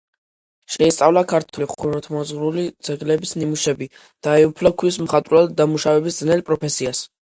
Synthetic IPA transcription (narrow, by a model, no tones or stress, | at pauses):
ʃɛist̪sʼavlˠakʰaɾt̪ʰuliχuɾɔt̪ʰmɔzʁɾulid̪zɛɡlɛbisnimuʃɛbi | d̪̥aɛupʰlakʰwis̬mχat̪ʼɾwɛld̪amuʃavɛbisd̪znɛlpʼɾɔpʰɛsias